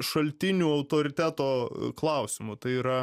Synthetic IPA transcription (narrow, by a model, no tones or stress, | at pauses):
ʃɐlʲt̪ʲɪnʲuːɐʊt̪oːɾʲɪt̪ʲæːt̪oːklˠɐˑʊsʲɪmʊt̪ɐɪiːɾɐ